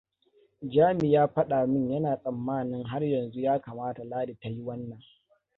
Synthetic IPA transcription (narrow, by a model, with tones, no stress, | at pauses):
d͡ʒaː˦mɪ˨jaː˦ɸɐ˦ɗaː˨mɪ˦ɲjɐ˦naː˨sʼɐ˨mːaː˦nɪ˦ŋɦa˦rjɐ˨nzu˦jaː˦kaː˨maː˦ta˨laː˦di˨ta˨ji˦wɐ˦nːɐ˨ŋ